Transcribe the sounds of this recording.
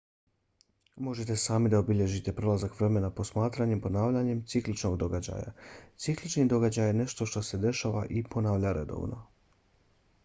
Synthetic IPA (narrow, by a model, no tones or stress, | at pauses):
mo̞ʒet̪e̞saːmid̪aobiʎe̞ʒit̪e̞pɾo̞lazakʋɾe̞me̞napo̞smaːt̪ɾaɲe̞mpo̞naːʋʎaɲe̞mt̪siklit͡ʃno̞ɡd̪o̞ɡad͡ʑa̰ja̰t̪siklit͡ʃnid̪o̞ɡad͡ʑajene̞ʃt̪o̞ʃt̪osed̪e̞ʃaːʋaʔipo̞naːʋʎaɾe̞̰d̪o̰ʋno̞̰